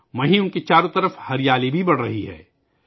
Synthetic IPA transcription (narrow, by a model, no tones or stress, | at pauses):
ʋɐɦĩʊnkit͡ʃaːɾõt̪ɐɾəfhɐɾɪjaːlibʱibɐɽ̤ɾɐɦiɦɛ̰ː